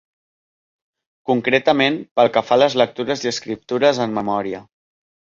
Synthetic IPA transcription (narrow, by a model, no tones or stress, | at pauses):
kuŋkɾet̪əmenpəlˠkəfaləzlək̚t̪uɾəziəskɾip̚t̪uɾəzəmmːəmɔɾiə